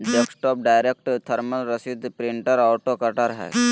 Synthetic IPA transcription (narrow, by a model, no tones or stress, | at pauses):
d͡ʒeksʈɔːp̚ɖaːɪɾek̚ʈt̪ʰəɾmənɾəsid̪pɾɪɳʈəɾaːʈokɐʈaɾɦɛ̰ː